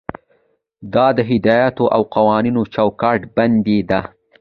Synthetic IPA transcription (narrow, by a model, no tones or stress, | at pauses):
d̪ɑd̪əɦɪd̪ɑjɑt̪oʔawqawɑninot͡ʃawkɑʈband̪ed̪a